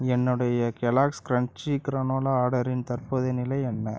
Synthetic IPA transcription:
ɛnːɯɽɐjɐkɛlaːkskɾɐɳt͡ʃikɾɐnoːlɐaːɽɐɾɪnt̪ɐrpoːðɐnɪlɐjɛnːɐ

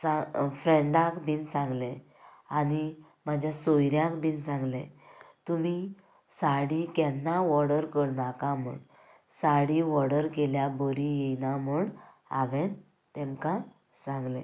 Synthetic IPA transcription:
safɾɛɳɖãkbʱiːnsãŋɡlẽ | añi | m̤ad͡ʑʱjasojɾjãkbʱiːnsãŋɡlḛ̃t̪umi | saɽikɛnːaʋɔɽəɾkəɽnakamṵɽ | saɽiʋɔɽəɾkeljaboɾijɛnamuɳ | a̰ʋɛn | t̪ɛ̃mka | sãŋɡlḛ̃

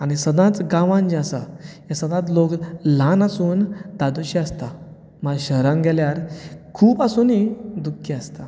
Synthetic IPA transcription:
añisəd̪ãt͡sɡãʋãnd͡ʑasa̰jasəd̪ãt͡s̪loklãnasuːnd̪ad̪uɕiast̪a | malɕəɾãŋɡʱɛljaɾkʰuːpasunid̪ukʰːiast̪a

